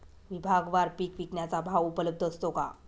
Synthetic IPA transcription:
ʋibʱaɡʋaɾpiːkʋiknjat͡sabʱaʋupələb̚d̪ʱəst̪oka̰

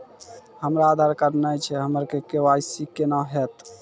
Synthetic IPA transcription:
həmɾaːd̪ʱaɾkəɾnəjt͡ʃʰɛɦəməɾkekewajsikːenaɦet̪

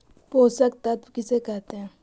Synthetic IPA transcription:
poːsək̚t̪at̪kɪsekɛɦt̪eɦɛ̃

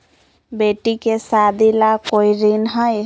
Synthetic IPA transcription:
beʈikesad̪ilakoiɾinɦəj

